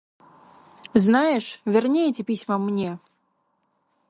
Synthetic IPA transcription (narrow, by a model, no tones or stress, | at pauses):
znajɛʂvʲɛrnʲejt͡sʲɛpʲisʲmɐmnʲɛ